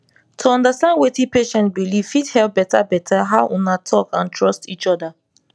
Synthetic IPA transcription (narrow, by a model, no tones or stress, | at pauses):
tʰuɔ̃ndastãndwetĩpeʃɛ̃ntbiliv̥ithɛlp̚bɛtabɛtʰaɦaʊʔũnatʰɔkãntʰɹɔstit͡ʃɔda